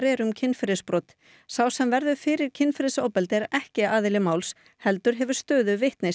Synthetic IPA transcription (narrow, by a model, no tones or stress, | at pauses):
ɾɛɾʏmcʰɪnfɪɾɪspɾɔt̪ | sawsɛmvɛɾðʏfɪːɾɪɾ̥cʰɪnfɪɾɪsowpɛlt̪ɪɛɾɛhcɪaːðɪlɪmaːwls | hɛlt̪ʏɾ̥ɦɛvʏɾ̥st̪œːðʏvɪht̪nɪs